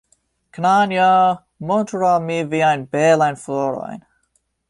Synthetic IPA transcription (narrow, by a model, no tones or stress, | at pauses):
kʰnanja | mɔntɾamiviajnbɛlajnflɔɾo̰jn